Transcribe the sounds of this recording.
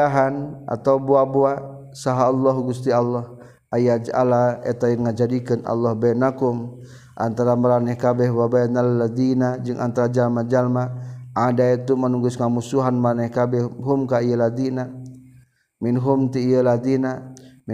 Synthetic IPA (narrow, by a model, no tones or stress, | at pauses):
aɦanʔa̰t̪aubuabua | saɦaːlːɔɦuɡust̪ialːɔh | ajad͡ʒa̰laɛ̰t̪ajaŋad͡ʒadikɨnʔa̰lːɔhbajnakum | ʔa̰nt̪aɾamaɾanɛhkabɛɦwabajnallad̪inad͡ʒɨŋʔa̰nt̪aɾad͡ʒalmad͡ʒalmaʔadait̪umanuɡusŋamusuɦanmaɾanɛhkabɛɦumkaijəlad̪ina | minɦumt̪iːjəlad̪inam